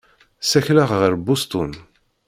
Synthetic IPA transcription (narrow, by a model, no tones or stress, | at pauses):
sæçlaʁʁəɾbust̪un